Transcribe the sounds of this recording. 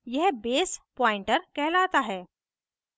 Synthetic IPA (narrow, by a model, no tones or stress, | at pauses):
jɛɦbeːspɔːɪ̃ɳʈəɾkɛɦlaːt̪aɦɛː